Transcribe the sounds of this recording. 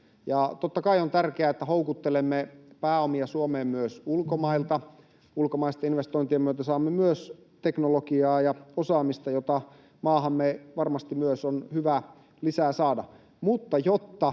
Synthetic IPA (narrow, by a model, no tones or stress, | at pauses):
jɑt̪ot̪ːɑkɑiont̪ærkeæːet̪ːæhoukut̪ːelemːepæːomiɑsuomeːmmyøsulkomɑilt̪ɑ | ulkomɑist̪ɑinʋest̪oint̪iemyøt̪æsɑːmːemyøs | t̪eknolokiɑːjɑosɑːmist̪ɑjot̪ɑ | mɑːhɑmːeʋɑrmɑst̪imyøsonhyʋæ | lisæːsɑːdɑ̰ | mut̪ːɑjot̪ːɑ